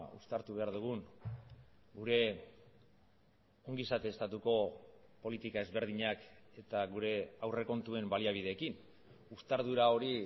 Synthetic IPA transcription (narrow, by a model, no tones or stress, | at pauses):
ṵst̪aɾt̪uβe̞aɾðuɣ̞uŋ | ɡuɾe̞ | o̞ŋɡisat̪eːst̪at̪uko̞po̞lit̪ikae̞zβe̞ɾðiɲake̞t̪aɣuɾe̞awre̞ko̞nt̪ue̞mbaliaβ̞ið̞e̞ːkin | ust̪aɾðuɾao̞ɾi